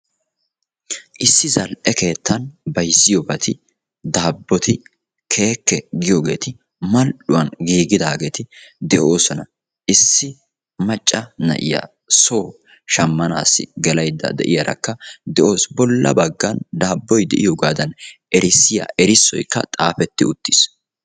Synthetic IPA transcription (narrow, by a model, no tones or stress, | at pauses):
ʔɪsːɪzɐlʔɛke̞ːt̪ːɐnbɐjsːɪjɔbɐt̪ʰɪ | d̪aːbːɔt̪ɪ | kʰe̞ːkːɛɡɪjoɡe̞̰ːt̪ɪ | mɐlɗʊwɐnɡiːɡɪd̪aːɡe̞ːt̪ɪd̪ɛʔo̞ːsɔnɐ | ʔɪsːɪ | mɐt͡ʃʼːɐnɐ̰ʔɪ̰ja̰ː | so̞ː | ʃɐmːɐna̰ːsːɪ̰ɡɛlɐjd̪ːɐ̰d̪ɛ̰ʔɪjɐɾɐ̰kːɐd̪ɛʔo̞ːsbɔlːɐ̰bɐɡːɐnd̪aːbːɔjd̪ɛʔɪjoɡaːd̪ɐnʔɛɾɪsːɪja̰ːʔɛɾɪsːɔ̰jkːɐ̰t̪ʼaːfɛt̪ːɪʊt̪ːɪs